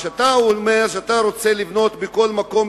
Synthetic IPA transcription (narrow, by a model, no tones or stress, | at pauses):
at̪aome̞ʁʃeat̪aɾo̞t͡se̞livno̞t̪beko̞lmako̞m